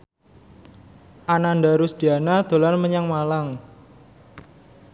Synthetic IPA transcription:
ʔananɖaɾʊsd̪̥i̤anad̪̥o̤lanməɲaŋmalaŋ

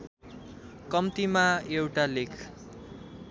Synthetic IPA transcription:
kʌmt̪imaewʈalekʰ

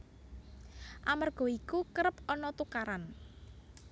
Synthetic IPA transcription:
ʔamarɡ̥ɔ̤ikukəɾəp̚ɔnɔt̪ukaɾan

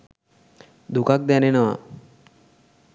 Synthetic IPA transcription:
d̪ʱukak̚d̪janenəʋa̰

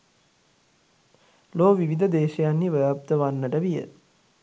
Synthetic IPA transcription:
loːʋiʋid̪əd̪eːʃəjanːiʋəjap̚t̪əʋanːəʈəʋijə̰

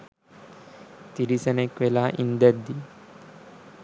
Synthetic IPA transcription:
t̪iɾisənekʋelaʔḭnd̪əɾd̪i

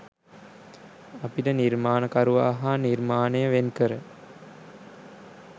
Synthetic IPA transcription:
apiʈəniɾmaːnəkaɾuʋaːɦaniɾmaːnəjəʋenkəɾə

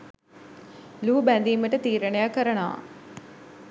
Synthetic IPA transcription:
luːbænd̪iːməʈət̪iːɾɐnejakəɾɐna̰ː

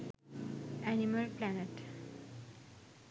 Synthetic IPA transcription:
æniməlplæneʈ

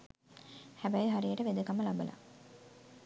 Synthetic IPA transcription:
hæbæjɦaɾijəʈəʋed̪əkaməlabəla̰

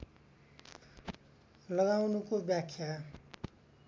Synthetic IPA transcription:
lʌɣawnukobjakʰːja

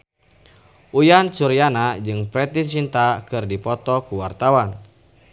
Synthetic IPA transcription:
ʔujansuɾianad͡ʒɨŋpɾɛt̪it͡ʃint̪akɨrdipɔt̪ɔkuwart̪awan

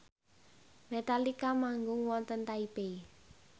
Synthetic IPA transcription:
met̪alikamaŋɡʊŋwɔnt̪ənt̪aibei

